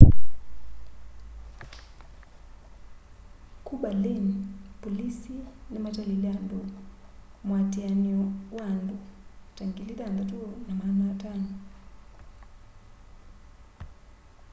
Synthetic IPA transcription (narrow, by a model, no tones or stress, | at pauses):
kuɓalinipɔlisinimataliliandɔ | mwatianiɔwandutaŋɡilidandatuɔnamanatanɔ